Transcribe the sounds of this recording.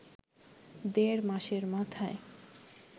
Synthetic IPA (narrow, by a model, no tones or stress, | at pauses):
d̪eɾmaʃeɾmat̪ʰae